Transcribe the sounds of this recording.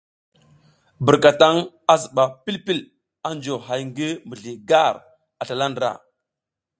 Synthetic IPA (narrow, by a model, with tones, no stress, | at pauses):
bə˨ɾka˨ta˦ŋ | a˦zə˨ɓa˨pi˦lpi˦l | a˦nd͡ʒo˨ɦa˨jŋɡi˦mə˨ɮi˨ɡa˦˨ɾ | a˨ɬa˨la˦ndɾa̰˨